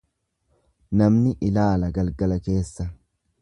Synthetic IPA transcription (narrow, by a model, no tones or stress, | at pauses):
nɐmnɪʔɪlaːlɐɡɐlɡɐlɐke̞ːsːɐ